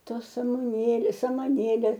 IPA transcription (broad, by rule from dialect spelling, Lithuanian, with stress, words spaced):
ˈtoːs rɐmʊˈnʲeːlʲeːs sɐmɐˈnʲeːlʲeː